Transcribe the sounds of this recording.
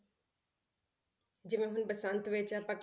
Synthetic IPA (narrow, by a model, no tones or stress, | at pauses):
d͡ʑɪmẽɦʊnbəsãnt̪ʋeːt͡ʃapɐk